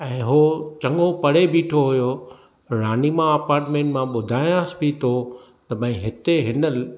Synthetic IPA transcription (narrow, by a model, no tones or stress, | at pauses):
ɛ̃ːɦot͡ɕɐ̃ŋɠopɐɽ̤ebiːʈʰoɦʊjo | ɾaːnimãɐpaːɾʈmẽːʈmãɓʊd̪ʱaːj̃asbʱit̪ʰo | t̪ɐbɐ̃ɦɪt̪eɦɪnəl